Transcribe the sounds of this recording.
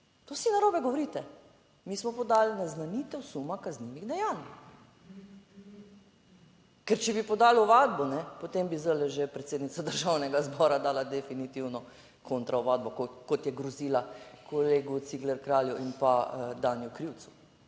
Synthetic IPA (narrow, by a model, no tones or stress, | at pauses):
t̪osinaɾoːbɛɡoʋɔɾiːt̪ɛ | miːsmɔpɔd̪aːlnaznanit̪ɛwsumakazniʋiɣd̪ɛjaːn | kɛɾt͡ʃɛbipɔd̪aːlʊʋaːd̪̚bɔnɛpot̪embizəlɛʒepɾɛt̪seːd̪nit̪sad̪əɾʒawnɛɡazbɔːɾad̪aːlad̪ɛfinit̪iwnɔ | kʰont̪ɾawʋaːd̪̚bɔkkɔt̪jɛɡɾɔziːlakʰoleːɡut̪siɡlɛɾkɾaːljuʔinpad̪aːnjukɾiwt̪su̥